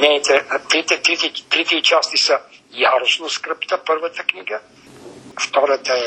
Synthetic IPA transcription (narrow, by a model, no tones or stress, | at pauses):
nɛt̪ɛt̪ɾit̪ɛt̪ɾit̪ɛt̪ɾit̪ɛit͡ʃast̪isə | jaɾosnoskɾəpt̪əpəɾvət̪ə̥knʲiɡə | ft̪ɔɾət̪əɛ